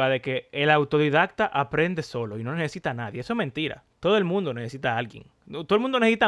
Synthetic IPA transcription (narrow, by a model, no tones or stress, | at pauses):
aðe̞ke̞ːlawt̪o̞ðiðak̚t̪aʔapɾe̞nd̪e̞so̞lo̞ino̞nese̞sit̪anaðjeesoesmẽnt̪iɾa̰t̪oðoelmũnd̪o̞nesesit̪aalɣje̞̰ŋ | t̪oðolmũnd̪onesesit̪a